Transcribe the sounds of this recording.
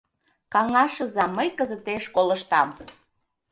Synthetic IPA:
kɑŋɑʃəzɑmːəjkəzət̪eʃkoləʃt̪ɑm

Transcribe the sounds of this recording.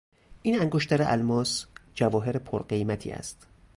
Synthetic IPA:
ʔiːnæŋɡoʃt̪æɾeʔælmɒːsd͡ʒævɒːɦe̞ɾepʰoɾɢe̞jmæt̪ʰḭːæ̰st̪

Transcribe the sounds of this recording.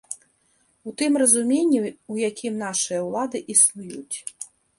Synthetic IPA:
ut̪ɨmrɐzumʲenʲːiwjakʲʰimnaʂɨjɐwlˠad̪ɨʔisnujut͡sʲ

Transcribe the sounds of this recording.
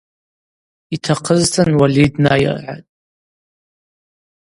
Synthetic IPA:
itʰaqʰəztʰanwalidnaja̰rʕa̰tʼ

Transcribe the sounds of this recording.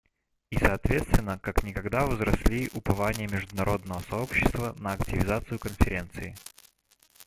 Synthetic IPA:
isɐːt̪vʲe̞t̪st̪vʲɪnːəkaknʲɪkɐɡd̪avzɾɐsʲlʲiʔʊpɐvanʲɪjəmʲɪʐd̪ʊnɐɾo̞d̪nəvəsɐo̞pɕːɪ̥st̪vənəɐktʲɪvʲɪzat̪sɨjʊkənfʲɪɾʲe̞nt̪sɨɪ

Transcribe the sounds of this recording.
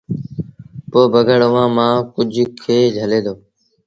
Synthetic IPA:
poːbʱəɡəɽəʋãːmãːkʊd͡ʒʱkʰeːd͡ʒʱəlẽːd̪oː

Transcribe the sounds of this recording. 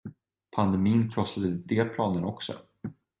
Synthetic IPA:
pʰand̪ɛmiːnkʰlɔsad̪əd̪eːpʰlɑːnənɔksɔ̰

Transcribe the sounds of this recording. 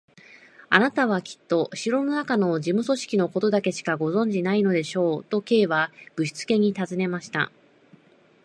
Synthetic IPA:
anat̪aβ̞akʲi̥t̪ːo̞ɕiɾo̞no̞nakano̞ʑimɯ̟so̞ɕi̥kʲino̞ko̞t̪o̞d̪ake̞ɕi̥kaɡo̞zõ̞ɲ̟d͡ʑinaino̞d̪e̞ɕo̞ːt̪o̞ke̞ːβaɡ̥ɯ̟ɕi̥t͡sɨ̥ke̞ɲ̟it̪azɨne̞maɕi̥t̪a̰

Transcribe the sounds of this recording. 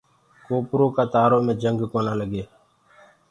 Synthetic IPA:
koːpɾoːkaːt̪aːɾoːmẽːd͡ʒəŋɡkoːnaːləɡeː

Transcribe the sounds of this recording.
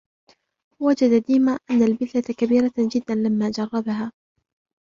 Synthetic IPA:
wad͡ʒad̪ad̪iːmaːʔanːalbɪθlakabiːɾad͡ʒɪd̪ːanlamːaːd͡ʒɑrˤːɑbaɦaː

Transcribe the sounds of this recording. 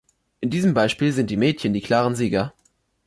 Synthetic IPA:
ʔɪndiːzəmbaɪʃpiːlzɪntd̥iːmɛːtçəndiːkʰl̥aːʁənziːɡɐ

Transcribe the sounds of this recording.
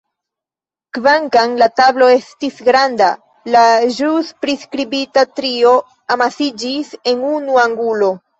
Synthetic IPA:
kvaŋkaŋlatablo̞e̞stisɡɾanda | laʒuspɾiskɾibitatɾio̞ | amasid͡ʒise̞nunuaŋɡulo̞

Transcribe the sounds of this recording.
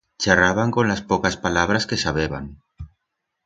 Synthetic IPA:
t͡ʃaraβ̞aŋkonlaspokaspalaβ̞ɾaskesaβeβa̰n

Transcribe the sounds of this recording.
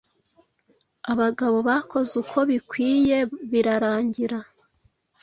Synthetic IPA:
aβaɡaβo̞βako̞zukʰo̞βikwiːje̞βiɾaɾaːɲɟiɾa

